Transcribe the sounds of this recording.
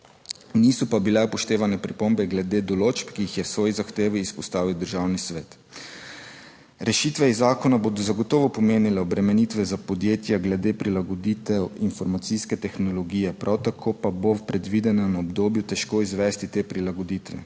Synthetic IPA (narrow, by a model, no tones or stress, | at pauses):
niːsɔpabilɛupɔʃt̪eːʋanɛpɾipombɛɡlɛd̪eːd̪ɔloːt͡ʃpkiixjɛwsʋɔːjizaxt̪eːʋiːspɔst̪aːʋiwd̪əɾʒaːwnisʋɛːt̪ | ɾɛʃiːt̪ʋɛizːaːkɔnaboːd̪ɔzaɡɔt̪ɔːʋɔpɔmeːnilɛɔbɾɛmɛnit̪ʋɛzapɔd̪jeːt̪jaɡlɛd̪eːpɾilaɡɔd̪iːt̪ɛwinfɔɾmat̪siskɛt̪ɛxnɔlɔɡiːjɛpɾʔawt̪akʰoːpabowpɾɛd̪ʋiːd̪ɛnanaɔbd̪oːbjut̪ɛʃkoːizʋɛːst̪it̪eːpɾilaɡɔd̪it̪ʋɛ̰